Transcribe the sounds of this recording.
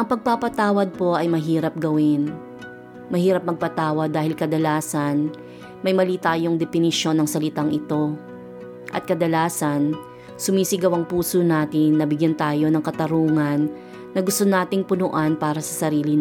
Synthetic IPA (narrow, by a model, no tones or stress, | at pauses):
ʔɐŋpɐɡ̚papɐt̪aːwɐd̪̚po̞ʔɐjmɐɦiːɾɐp̚ɡɐwɪn | mɐhiːɾɐp̚mɐɡ̚pɐt̪aːwɐd̪ːaːhɪlkɐd̪ɐlaːsɐn | mɐjmɐliːt̪aːjo̞ŋd̪ɛpɪnɪʃo̞nɐŋsɐlɪt̪aŋʔɪt̪o̞ | ʔɐ̰t̪̚kɐd̪ɐlaːsɐn | sʊmiːsɪɡɐwɐŋpuːsonaːt̪ɪnːɐbɪɡjɐnt̪aːjo̞nɐŋkɐt̪ɐɾuːŋɐnː | ɐɡʊst̪onaːt̪ɪŋpʊnʊʔanpaːɾɐsɐsɐɾiːlɪ